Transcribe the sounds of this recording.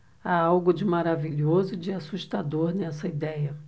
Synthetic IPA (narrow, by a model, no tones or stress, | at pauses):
aawɡʊd͡ʒɪmaɾaviʎozʊd͡ʒɪasuʃt̪ad̪oɾnɛsɐid̪ɛjɐ